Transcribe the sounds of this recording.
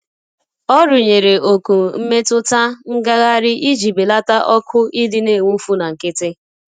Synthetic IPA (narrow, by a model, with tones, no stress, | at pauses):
ɔ˦ɾʊ˨ɲe˨ɾe˨ʔo˨ku˨m̩˦me˦tʊ˦ta˦ŋ̩˦ɡa˦ɣa˦ɾɪ˦ʔi˦d͡ʒi˨be˨la˦ta˦ʔɔ˦kʰʊ˦i˦dɪ˦ne˦˨ŋʷu˦fu˦na˨ŋ̩˨kɪ˦tɪ˦